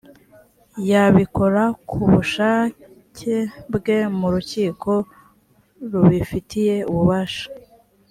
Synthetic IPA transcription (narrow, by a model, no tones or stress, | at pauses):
jaβiko̞ɾakʰuβuʃaː | cʰe̞bɡe̞muɾuciːkʰo̞ | ɾuβifitije̞uβuβaʃḁ